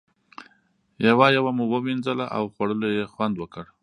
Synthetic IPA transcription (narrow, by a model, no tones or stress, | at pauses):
jawɑjawamuwəwind͡zəlaʔa̰wxwaɽəlojexwand̪wəkəɽ